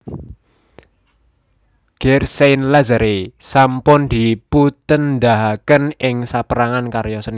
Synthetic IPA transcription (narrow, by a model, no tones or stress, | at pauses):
ɡ̥ɛrsenlazaɾesampʊnd̪̥i̤put̪ənd̪aɦakənɪŋsapəɾaŋankaɾjɔsən